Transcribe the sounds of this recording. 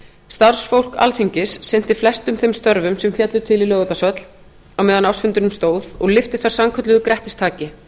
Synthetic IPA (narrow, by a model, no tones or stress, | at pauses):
st̪aɾ̥sfowl̥ka̰lθiɲcɪsːɪn̥t̪ɪflɛst̪ʏmθejmst̪œɾvʏmsɛmfjɛt̪lʏt̪ʰɪlɪlœːɣʏt̪asœt̪l̥ | awmɛːðanawsfʏnt̪ʏnʏmst̪oːwðɔɣlɪft̪ɪ̥θḁsamkʰœt̪lʏðʏkɾɛht̪ɪ̥st̪ʰaːcɪ